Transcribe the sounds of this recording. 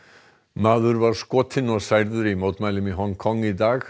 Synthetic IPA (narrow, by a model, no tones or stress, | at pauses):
maːðʏɾvaɾ̥skɔːt̪ʰɪnɔɣsajɾðʏɾimoːwt̪majlɪmiɦɔŋkʰɔŋːit̪aːx